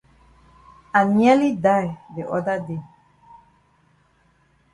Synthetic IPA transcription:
ã˨nɛ˦li˦da˦jðe˨ʔɔ˦da˦de˦˨

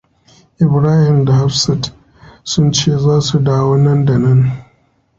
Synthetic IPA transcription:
ʔɪ˨bɾaː˦hɪ˨mda˨ha˦fsɐ˨t | sʊ˦nt͡ʃeː˦˨zaː˦su˨daː˦woː˦nɐ˦nda˨nɐ˦n

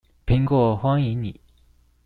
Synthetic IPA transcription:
pʰi˧˥ŋkwɔ˥˩xwɑ˥ŋi˧˥˦nḭ˨˩˦

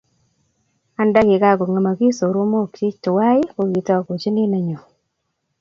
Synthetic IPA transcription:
a˦nda˦kɪ˨ka˦˨ko˨ŋa˨ma˨ki˦so˨ɾo˦mo˦˨kt͡ʃi˦t͡ʃtʊ˨wa˦ɪ˦ko˨ki˨ta˦˨ko˨t͡ʃe˦nɪ˦na˦ɲo˨

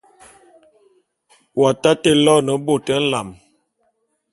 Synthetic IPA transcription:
wa˨ta˦te˦˨lɔ˦nə˨˦bo˦˨tə˦n̩˦la˨m

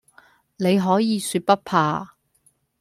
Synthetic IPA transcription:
ne˨˧jɦɔː˨˥jiː˨˧syː˧t̚pɐ˥t̚pʰaː˧

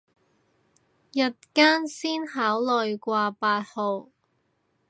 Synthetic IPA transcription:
jɐ˨t̚kaː˥nsiː˥nɦaː˨˥wlɔ˨jkʷaː˧paː˧t̚ho˨w

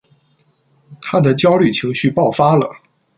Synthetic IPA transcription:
t̪ʰa˥d̪ə˨t͡ɕjɑ˥ʊly˥˩t͡ɕʰi˧˥ŋɕy˥˧pɑ˥˩ʊfa˥lə̰˨˩

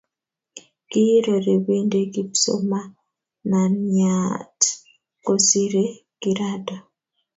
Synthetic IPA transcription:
kiɾo˨ɾe˨βiːnde˦ɡi˦pso̰˦ma˦ | na˨nat | kosiɾe˦kiɾadɔ˨

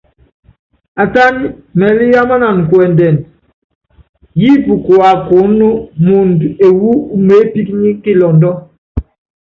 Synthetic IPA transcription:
a˨ta˦n˦mɛ˨li˦ja˦ma˦na˨n˨kwɛ˨ndɛ˨n | ji˦pu˨kwa˨ko˨˦nːu˦mu˨nde˨wu˦u˦me˨˦pi˦kɲi˦ki˦lɔ˨ndɔ˦

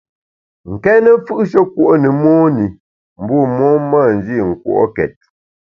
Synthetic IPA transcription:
ŋ̩˨kɛː˦nə˦fɯ˦ʔʃə˦kwo˦ʔo˦nə˨mɔː˦ni˨ | m̩˨bɔ˦˨mɔː˦ma˦˨n˨d͡ʒi˦˨ŋ̩˨kwo̰˦˨ʔo̰˦kɛ̰˨t̚

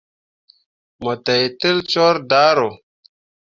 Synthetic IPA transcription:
mo˨te˨jti˦lt͡ʃo˦ɾda˦ɾo˨

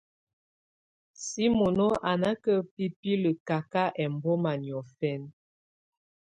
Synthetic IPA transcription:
si˦mo˨nɔ˦ʔa˨na˦kə˦pi˦pi˦lə˨ka˨ka˦ʔɛ˨m˨bɔ˦ma˨njɔ˨fɛ˦n

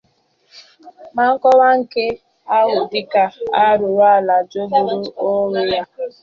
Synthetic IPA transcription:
ma˨ŋ̩˦kɔ˦wa˦ŋ̩˨ke˦ | a˦ɣʊ˨dɪ˦ka˦a˦ɾʊ˨wa˦˨la˨d͡ʒo˦bu˨ɾu˦o˦ŋe˦ja˦

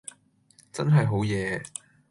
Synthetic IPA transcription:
t͡sɐ˥nɦɐ˨jɦo˨˥wjɛː˨˧

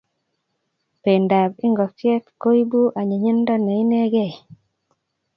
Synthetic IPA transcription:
pe˨nda˨bɪ˦ŋɡɔ˨fjɛ˦t̪ko˦i˦bu˦ʔa˨ɲe˨ɲi˦ndɔ˦ne˨i˦nɛ˦ɡe˦˨

